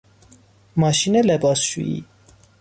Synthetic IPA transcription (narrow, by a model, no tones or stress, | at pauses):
mɑʃinɛlɛbasʃḭḭ